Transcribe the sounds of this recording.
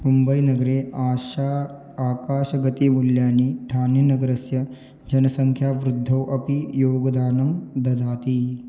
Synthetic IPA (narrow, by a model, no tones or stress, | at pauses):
mumbɐjnɐɡɐɾeːaʃa | aːkaːʃɐɡɐt̪imuljaːniːʈʰaːninɐɡɐɾɐsjɐ | d͡ʒɐnɐsɐŋkʰjaːʋɾud̪ʱːɐwʔɐpijoːɡɐd̪aːnɐmd̪ɐd̪ʱaːt̪iː